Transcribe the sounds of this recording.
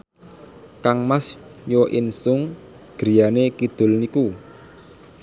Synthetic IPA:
kaŋmasjɔʔɪnsʊŋ | ɡ̥ɾi̤janekid̪̥ʊ̤lniku

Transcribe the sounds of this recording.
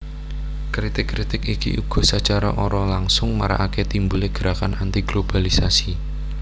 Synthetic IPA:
kɾit̪ɪkːɾit̪ɪkikḭʔuɡ̥ɔ̤sət͡ʃaɾaʔɔɾɔlaŋsʊŋmaɾa̰ʔaket̪imbuleɡ̥əɾakanant̪iɡ̥lob̥alisasi

